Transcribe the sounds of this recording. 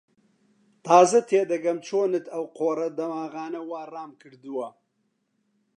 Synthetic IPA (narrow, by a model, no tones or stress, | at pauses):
t̪aːzɐt̪ʰeːd̪ɐɡɐmt͡ʃʰoːnɨt̪ʰɐwqoːɾɐd̪ɐmaːɣaːnɐwaːraːmkɨɾd̪ɨwɐ